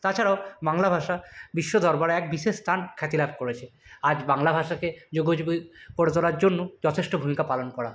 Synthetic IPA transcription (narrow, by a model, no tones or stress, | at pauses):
t̪at͡ɕʰaɾaobaŋlabʱaʃabiʃːod̪ʱɔɾbaɾɛk̚biʃeʃst̪ʰankʰɛt̪ilab̚ʱkoɾet͡ɕʰead͡ʑbaŋlabʱaʃaked͡ʑoɡod͡ʑuɡepoɽet̪ɔlaɾd͡ʑonːod͡ʑɔt̪ʰeʃʈobʱumikapalonkɔɽa